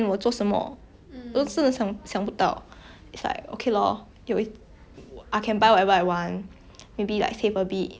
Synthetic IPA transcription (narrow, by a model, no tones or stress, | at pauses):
nwət͡sɔsəmɔ̰ | ɔsə̃nəsãŋsãŋputa̰ʊ | itsla̰ɪk̚o̰kʰelɔ̰ | jɔi | ʔajkʰɛ̃nbaɪwɔtɛvəawãn | mebila̰ɪksefəbit̚